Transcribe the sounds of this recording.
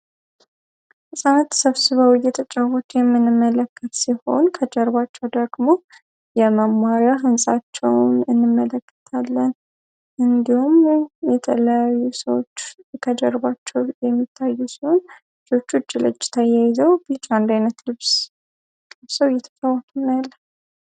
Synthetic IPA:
hɨsʼanat̪səβsɨβəwɪjɛt̪ʰət͡ʃʼawot̪jɛmːɨnɨmːələkːət̪siho̞nkʰəd͡ʒɛɾβat͡ʃːɛwd̪əɡmo̞ | jɛməmːaɾjaɦɨnsʼat͡ʃːɛwnɨnːɨmːələkːə̥t̪ʰalːən | ɨnd̪ihumjɛt̪ʰələjajːusəwot͡ʃːkʰəd͡ʒɛɾbat͡ʃːɛwjɛmːit̪ʰːajːusiho̞n | swot͡ʃːut͡ʃːɪlɨ̰d͡ʒːɪ̥t̪ʰajajzəwb̥it͡ʃːand̪ajnət̪lɨβs | lɨβsəwjːɛt̪ʰət͡ʃʼawɔt̪ʰunjalːə

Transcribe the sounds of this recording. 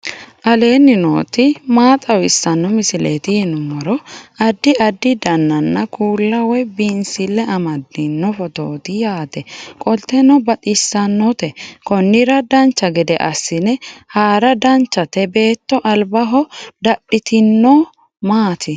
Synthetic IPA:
ʔɐle̞ːnːɪno̰ːt̪ɪmaːt̪ʼɐwɪsːɐnːɔmɪsɪlḛːt̪ɪjɪnʊmɔɾɔɐd̪ːɪɐd̪ːɪd̪ɐnːɐnːɐkʰuːlːɐwɛbinsɪlːɛɐmɐd̪ɪnːɔfɔt̪oːt̪ɪjaːd̪ɛkʼɔlt̪ːɛnɔbɐt̪ʼɪsːɐnːɔt̪ɛkɔnːɪɾɐd̪ɐnt͡ʃːɐɡɛd̪ɛʔɐ̰sːɪnɛhaːɾɐd̪ɐnt͡ʃːɐt̪ɛbe̞ːt̪ːɔʔɐlbɐɦɔd̪ɐɗɪt̪ɪnːɔ | maːt̪ʰɪ

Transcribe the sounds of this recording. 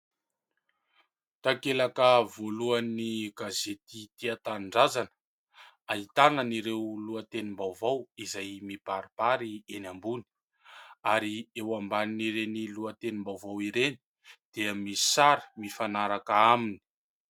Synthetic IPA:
t̪akelakəvoluaniɡazet̪it̪iat̪anɳɖ͡ʐazan | ait̪anəniɾewluət̪enimbawvawizajmipaɾipaɾienambuni̥ | aɾiewambaniniɾeniluət̪enimbawvawiɾeni̥ | d̪̥eəmisi̥saɾi̥mifanaɾakaamini̥

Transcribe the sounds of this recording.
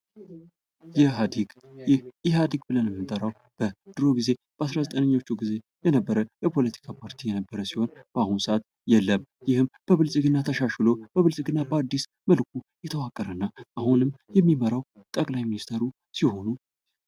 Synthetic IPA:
jɛad̪ɡ | hjɪad̪iɡbɨlənjɛmːɨt̪ʼəɾaw | b̥əd̪̥ɨɾo̞ɡize̞b̥əasɾazət̪ʼənɨɲːo̞t͡ʃːuɡize̞ | jɛnəbːəɾəjɛpʰo̞lət̪ʰi̥kʰapʰaɾt̪ʰijɛnəbːəɾəsiho̞nb̥əahunsəʔat̪ | jɛlːəmjɪhɨmb̥əβɨlsʼɡɨnːat̪ʰəʃaʃlo̞b̥əβɨlsʼɡɨnːabəad̪ːis | məlkʰu | jɛt̪ʰəwakʼːəɾənːaʔahunɨmjɛmːiməɾaw | t̪ʼəkʼlajminist̪ʰeɾu | siho̞nu

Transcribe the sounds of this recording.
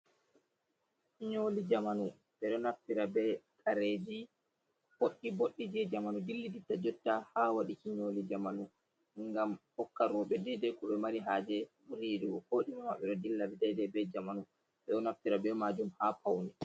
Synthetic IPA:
ɲolid͡ʒamanu | ɓɛɗɔnafːiɾabɛkʼaɾeːd͡ʒi | boɗːiboɗːid͡ʒiɛd͡ʒamanudilːiditːad͡ʒɔtːahawaɗikiɲoːlid͡ʒamanu | ŋɡamhɔkːaɾɔɓɛdɛdɛkuɓɛmaɾiɦaːd͡ʒɛmuɾiɾiwɔhoːɗimamaɓɛɗɔdilːabɛdɛjdɛbɛd͡ʒamanu | ɓɛɗɔnaftiɾabɛmaːd͡ʒumhapʰawni

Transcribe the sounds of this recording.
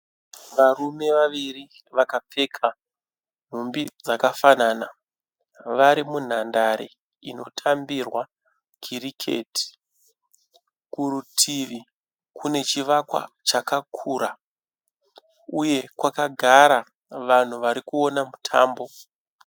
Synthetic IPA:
ʋarume̞ʋaʋiri | ʋakap͡fe̞kʰa | m̤umbid͡zakafanaːna | ʋaɾimun̤andaɾḛ | ino̞̰tʰambirwa | kʰiɾikʰḛti̥ | kuɾutʰiʋi | kune̞t͡ʃiʋakwa̰t͡ʃakakʰuːɾa | uje̞kwakaɡʱaɾa | ʋan̤uʋaɾikuo̞namutʰa̰ːmbo̞

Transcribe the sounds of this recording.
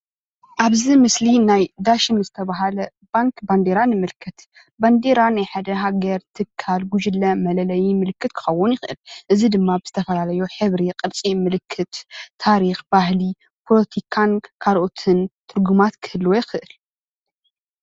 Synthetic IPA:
ʔaβzimɨslinajd̪aʃɨmzɨt̪ʰɐβaɦalɐ | baŋkband̪eɾanɨmɨlkʰːɐt̪ | band̪e̞ɾanajħad̪ɐɦaɡɐɾt̪ʰɨkʰːalɡud͡ʒɨlːɐmɐlɐlɐjimɨlɨkːɨt̪kʰɨ̥xɐwːʊnjɪxʔɨ̰lʔɨzid̪ɨmːabɨz̥ɨt̪ʰɐfɐlalɐjuħɨβɾiqʼɨlt͡sʼimɨlɨkʰːɨt̪ʰːaɾixbahli | pʰolɐt̪ʰikʰankʰaɾʔot̪ʰɨnt̪ʰɨɾɡumat̪kʰɨ̥hɨlːwojɪxɨʔɨl

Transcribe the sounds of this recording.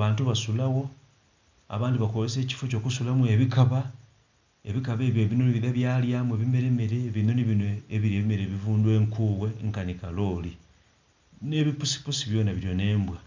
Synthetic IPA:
βaːntuβasulaɣo̞ | a̰βaːndiβakozese̞ːci̥foco̞ːkusulamue̞βikaβa | e̞βikaβe̞ːβjo̞βinoniβiðaβjaːljaːmwe̞βime̞ɾe̞me̞ɾe̞βino̞niβinweːβiɾieβime̞ɾeːβivuːndwe̞ːŋkuːβwe̞ŋkanikalo̞ːli | ne̞βipusi̥pusiβjo̞ːnaβiɾjo̞ne̞ːmbwa

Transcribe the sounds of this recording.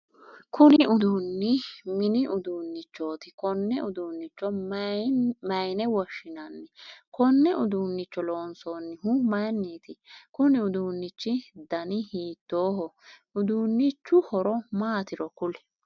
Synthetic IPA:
kʰʊnɪʊd̪uːnːɪmɪnɪʔʊd̪uːnːɪt͡ʃːo̞ːt̪ɪkɔnːɛʊd̪uːnːɪt͡ʃːɔ | mɐjnɛwɔʃɪnɐnːɪkʰɔnːɛʔʊd̪uːnːɪt͡ʃːɔlo̞ːnsoːnːɪhʊmɐjnːiːt̪ɪkʊnɪʊd̪uːnːɪt͡ʃːɪd̪ɐnɪhiːt̪ːo̞ːɦɔʊd̪uːnːɪt͡ʃːʊhɔɾɔmaːt̪ɪɾɔkʊlɛ̥

